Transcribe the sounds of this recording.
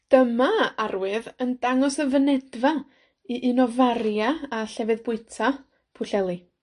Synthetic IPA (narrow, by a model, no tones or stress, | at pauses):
d̥əmaarwɨðəndaŋɔsəvənɛdva | iʔɪnɔvarjaːɬɛvɨðbʊɨtʰa | pʰʊɬɛlˠi